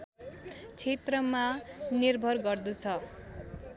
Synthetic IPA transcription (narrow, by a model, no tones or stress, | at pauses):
t͡sʰet̪rʌmanirbʱʌrɡʌrd̪ut͡sʰʌ